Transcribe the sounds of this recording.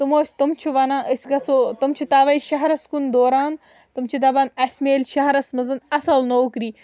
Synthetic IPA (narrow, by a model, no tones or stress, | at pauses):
t̪umoːsʲt̪umt͡ʃʰuʋɐnaːʔsʲɡɐt͡sot̪umt͡ʃʰit̪aːʋɐiʃɐɦɐɾɐskund̪oːɾaːn | t̪umt͡ʃʰid̪ɐbɐnɐsʲmeːlʲʃɐɦɐɾɐsmɐzɐnɐsɐlnoːkɾiː